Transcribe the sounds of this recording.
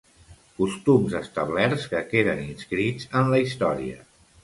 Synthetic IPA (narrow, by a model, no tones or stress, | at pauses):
kust̪umzəst̪əβlɛɾskəkeðəninskɾid͡zənləist̪ɔɾiə̰